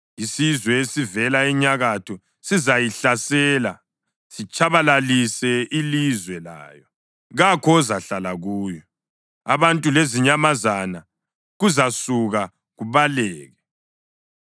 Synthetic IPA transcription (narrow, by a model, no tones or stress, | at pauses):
isizwɛesivɛlaɛɲaɣatʰɔ | sizajiɬasɛːla | sit͡ʃʰʼaβalalisɛilizwɛla̰ːjɔ | ɣakʰɔzaɬalaɣuːjɔ | aβantʼuleziɲamazana | ɣuzasuɣa | ɣuβalɛːɣɛ